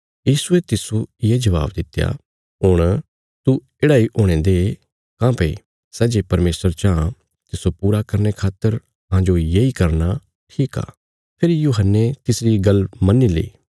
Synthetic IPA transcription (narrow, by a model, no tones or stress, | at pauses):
jiːsuet̪ɪsoɪjed͡ʒɐʋa̰ːbd̪ɪt̪ːja̰ | ɦʊɽ̃ | t̪u | eːɽaːiʔoːɽ̃ẽːd̪e | kãːpe | sɛːd͡ʒepɐɾmeːsəɾt͡ʃã | t̪ɪsopuːɾakɐɾnekʰaːt̪ːəɾ | ɦãːd͡ʒojeikɐɾna | ʈʰiːka̰ː | pʰɪɾijuːɦənːet̪ɪsɾiɡɐlmɐnːilḛiː